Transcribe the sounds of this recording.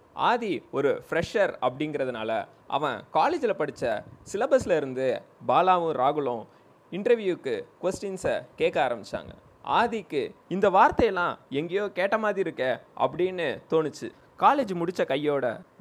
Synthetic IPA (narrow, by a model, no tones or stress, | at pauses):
a̰ːðiɔɾɯfɪɾɛʂɐɾɐp̬ːɐɽɪŋɡɪɾɐðɯna̰ːlɐ̰ | ʔɐ̰ʋɐ̰̃kaːleːd͡ʒɪlɐpɐɽɯt͡ʃːɐsɪlɐbɐsɪlɐɪɾɯnd̪ɯbaːlaːʋɯ̃ɾaːɣɯɭõ | ɪɳʈɾɐɾʋjuːkːɯkʋɛsʈɪnsɐkeːkːɐaːɾɐmbɪt͡ʃːa̰ːŋɡɐ̰ | a̰ːðikːɯɪnd̪ɐʋaːɾt̪ːɐjɐlːãːɛŋɡejoːkeːʈːɐmaːðɾiɪɾɯkːɐʔɐ̰p̬ːɐɽinːɯt̪oːnɯt͡ʃːɯ̰ | kaːleːd͡ʒmʊɽɪt͡ʃːɐkɐjːoːɽɐ̰